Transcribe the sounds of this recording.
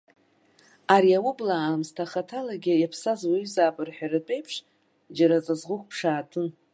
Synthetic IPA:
aɾiawʊblaːmstʰaχatʰalaɡʲɪjapʰsazwaɥzaːbʼɨrħʷᶣarɨt͡pʼe̞jpʰʂ | d͡ʒaɾat͡sʼazʁʊχʷpʰʂaːtʰʼɨ

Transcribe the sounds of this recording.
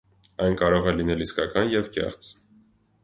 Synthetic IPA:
ɑjnkɑɾɔʁɛlinɛliskɑkɑnjɛvkɛ̰χt͡s

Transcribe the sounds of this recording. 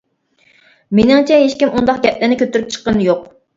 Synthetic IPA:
menɪŋt͡ʃʰɛɦeʃkʲimund̪ɑqɡʲɛt̪̚lɪnɪkʲʰøt̪yɾyp̚t͡ʃʰə̥qːənjoq̚

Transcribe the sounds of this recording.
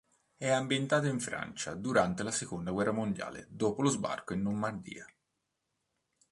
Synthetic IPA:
ɛambjent̪aːt̪̬oiɱfɾa̰nt͡ʃad̪uɾant̪elasekond̪aɡwɛrːamond̪ja̰ːlḛd̪oːpolozba̰rkoinːomːard̪ḭːa

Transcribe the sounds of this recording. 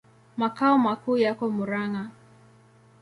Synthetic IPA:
makaɔmakuːjakɔmuɾaŋa

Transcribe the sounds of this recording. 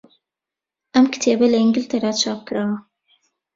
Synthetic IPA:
ʔɐmkɨ̥t̪ʰeːbɐlɐɪŋɡɪlt̪ʰɐɾaːt̪t͡ʃʰaːp̚kɨɾaːwɐ

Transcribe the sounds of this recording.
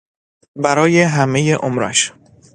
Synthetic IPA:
bæɾɒːjeɦæme̞jeʔomɾæ̰ʃ

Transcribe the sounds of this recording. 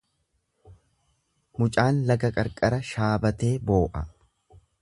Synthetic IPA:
mʊt͡ʃʼaːnlɐɡɐkʼɐɾkʼɐɾɐʃaːbɐt̪e̞ːbo̞ːʔɐ

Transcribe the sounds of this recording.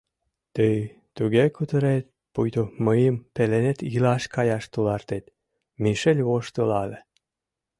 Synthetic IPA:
t̪əj | t̪uɣekut̪əɾet̪̚ | pujt̪oməjəmpelenet̪ilɑʃkɑjɑʃt̪ulɑrt̪et̪ | miʃelʲβoʃt̪əlɑle

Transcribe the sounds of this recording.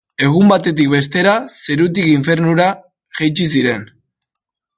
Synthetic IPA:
e̞ɣ̞umbat̪e̞t̪̬ik̚be̞s̬t̪e̞ɾase̞ɾut̪̬ikiɱfe̞ɾnuɾa | ʝejt͡ʃis̬iɾe̞n

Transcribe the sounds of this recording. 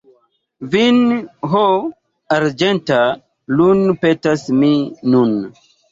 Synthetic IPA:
vinɦo | aɾd͡ʒenta | lunpetasminun

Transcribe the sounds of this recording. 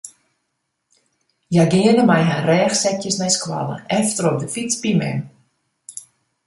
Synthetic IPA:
jaɡɪənəmajɦarɛːxsɛkjəsnɛjskwa̰lə̰ɛftərop̚dəfisbimɛ̰m

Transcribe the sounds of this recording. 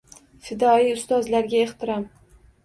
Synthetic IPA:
fɪd̪ɒijʊst̪ɒzlaɾɡʲaeht̪ʰɪɾɑm

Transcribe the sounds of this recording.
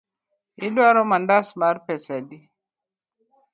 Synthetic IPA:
idwaɾɔmandasmaɾpɛsadi

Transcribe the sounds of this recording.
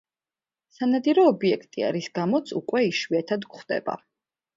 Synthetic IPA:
sanad̪iɾɔːbiɛkʰt̪ʼia̰ɾisɡamɔt̪sʰukʼwɛiʃwiɛt̪ʰad̪kχd̪̥ɛ̰ba̰

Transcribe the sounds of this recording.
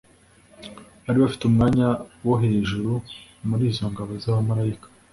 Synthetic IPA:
haɾiβafi̥tumŋaːɲawoɦe̞ːʒuɾumuɾiːzo̞ŋɡaβo̞zaβamaɾaikḁ

